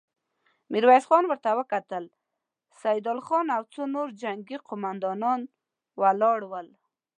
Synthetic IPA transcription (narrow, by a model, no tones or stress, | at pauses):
miɾwajsxɔnwəɾt̪awəkat̪əl | sajd̪ɑlxɔnawt͡sonoɾd͡ʒaŋɡiqʊmand̪ɑnɑn | walɑɽwəl